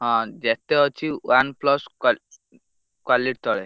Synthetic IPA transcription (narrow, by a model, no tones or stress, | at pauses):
ɦɔ̃d͡ʒɛt̪eɦɔt͡ɕʰiwanplɔsk | kwaliʈ̚t̪ɔɭe